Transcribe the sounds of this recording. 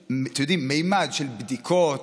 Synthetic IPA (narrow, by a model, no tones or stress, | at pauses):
t̪ajod̪imejmad̪ʃelbd̪ikʰot